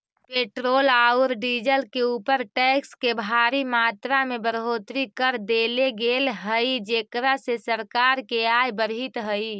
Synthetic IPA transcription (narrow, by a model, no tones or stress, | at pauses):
peːʈɾoːlaʊɾɖiːd͡ʒəlkeuːpəɾʈɛkskebʱaɾimaːt̪ɾamebəɾɦoːt̪ɾikəɾd̪eleɡelɦəid͡ʒeːkɾasesəɾkaɾkeajbəɾɦit̪ɦəi